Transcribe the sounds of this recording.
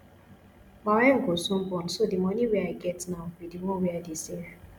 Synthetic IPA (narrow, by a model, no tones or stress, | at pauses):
maɹɛ̃nɡosɔ̃mbɔ̃nsodimɔnĩwɛaɪɡɛtnaʊwidiwɔ̃nwɛadese